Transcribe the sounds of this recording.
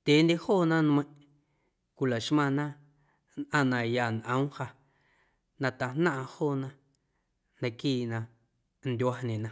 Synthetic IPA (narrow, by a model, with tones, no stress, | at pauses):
t̪ʲeː˨˦nd̪ʲe˧hoː˦˨nã˦ñ˧ẽ˧˦˨ʔ | kʷi˧la˨ʃmã˧nã˦ | nʔã˧˨nã˧ja˧˨nʔə̰̃˦w̃ha˧ | nã˧t̪a˧nnã˦ʔhoː˦˨nã˧ | nã˧kiː˦˨nã˧ | nd̪ʲwa˧ɲẽ˨nã˧